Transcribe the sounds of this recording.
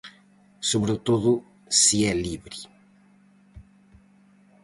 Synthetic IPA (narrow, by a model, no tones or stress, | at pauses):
soβɾet̪oðʊ | siɛliβɾi